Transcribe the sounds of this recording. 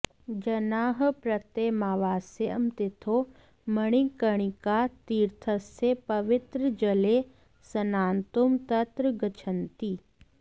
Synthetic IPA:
d͡ʒɐnaːɦpɾɐt̪emaːʋaːseə̰mt̪ɪt̪ʰo | məɽ̃ikəɽ̃ikat̪iːɾt̪ʰəsepɐʋɪt̪ɾəd͡ʒɐle | sɐnaːnt̪umt̪ɐt̪ɾəɡɐt͡ʃʰənt̪iː

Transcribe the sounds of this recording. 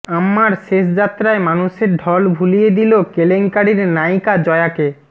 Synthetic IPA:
amːaɾʃeʃd͡ʑat̪ːɾaemanuʃeɾɖʱɔlbʱulijed̪ilokeleŋkaɽiɾnajkad͡ʑɔeake

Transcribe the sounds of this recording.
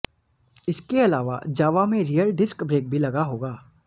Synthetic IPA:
ɪskeɐlaːʋa̰d͡ʒaːʋamẽɾijəlɖɪskbɾeːk̚bʱilɐɡaɦoːɡaː

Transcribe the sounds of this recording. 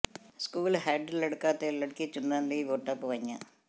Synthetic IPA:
skuːlɦeːɖlɐɽukːaːt̪ːelɐɽukːit͡ʃunːanliʋoːʈːapːɨʋɐɲːa

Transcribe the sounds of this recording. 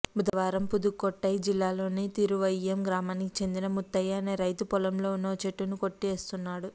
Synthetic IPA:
bud̪ɐʋaːɾɐmpud̪ukːɔʈːɐjid͡ʒilːaːlo̞ːniːt̪iɾuʋɐjːemɡɾaːmaːnikit͡ʃe̞nd̪inɐmut̪ːɐjaːneːɾɐjt̪upɔlɐmloːunːoːt͡ʃeʈːunuko̞ʈːeːst̪unːaːɽu

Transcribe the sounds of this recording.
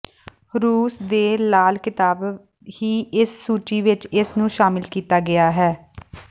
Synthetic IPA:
ɾuːsd̪eːlaːlkɪt̪aːb | hiːɪsːuːt͡ʃiːʋɪt͡ʃɪsnũːʃaːmɪlkiːt̪aːɡɪaːɦɛː

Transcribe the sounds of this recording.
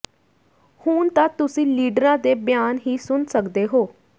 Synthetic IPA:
huːnt̪ãːt̪ʊsĩːliːɖəɾãːd̪eːbjaːnɦiːsʊnsəkd̪eːɦoː

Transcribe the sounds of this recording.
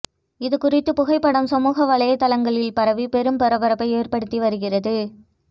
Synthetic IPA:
ɪðɯkʊrɪt̪ːɯpʊɣɐɪpːɐɽɐmsɐmuːɣɐʋɐɭɐjɐt̪ːɐlɐŋɡɐɭɪlpɐɾɐʋipɛɾɯmpɛɾɐʋɐɾɐpːɐɪeːrpɐɽɯt̪ːiʋɐɾɯɣɪrɐðɯ

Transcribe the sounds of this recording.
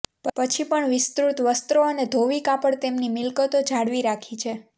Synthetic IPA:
ppət͡ʃʰipəɳʋɪst̪ɾut̪ʋəst̪ɾoəned̪ʱoʋikapəɽt̪emnimɪlkət̪od͡ʒʱaɽʋiɾakʰit͡ʃʰe

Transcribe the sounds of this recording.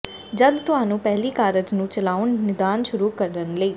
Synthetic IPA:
d͡ʒəd̪t̪ʊɦaːnũːpɛɦliːkaːɾəd͡ʒnũːt͡ʃəlaːʊnnɪd̪aːnʃʊɾuːkəɾɖənləiː

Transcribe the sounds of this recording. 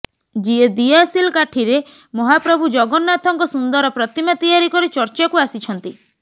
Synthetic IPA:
d͡ʒied̪iasilkaʈʰiɾe | mɔɦapɾɔbʱud͡ʒɔɡɔnːat̪ʰɔŋkɔsund̪ɔɾɔpɾɔt̪imat̪ijaɾikɔɾit͡ʃɔɾt͡ʃakuasit͡ʃʰɔnt̪i

